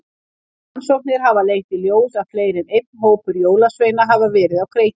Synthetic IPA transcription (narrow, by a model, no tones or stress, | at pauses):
ansowk̚nɪɾ̥ɦavaleːjxt̪iljoːwðaðfleːjɾɪnejt̪̚nɦoːwpʏɾjoːwlasveːjnaɦavavɛːɾɪðawkʰɾeːj